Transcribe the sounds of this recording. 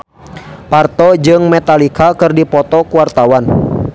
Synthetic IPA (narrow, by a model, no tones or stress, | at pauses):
part̪ɔd͡ʒɨŋmɛt̪alikakɨrdipɔt̪ɔkuwart̪awan